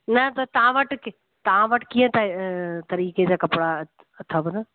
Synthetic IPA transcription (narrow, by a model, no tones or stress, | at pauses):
nɐt̪ɐt̪ɐʋãʋɐʈk | t̪ɐʋ̤ãʋɐʈkiːə̃t̪ʰaet̪ɐɾiːked͡ʑaːkɐpɽa | t̪ʰɐʋnɐ